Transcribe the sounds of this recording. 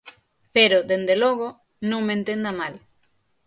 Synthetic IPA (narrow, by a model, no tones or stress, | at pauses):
peɾod̪end̪elɔɣo | nõŋmẽnt̪end̪amal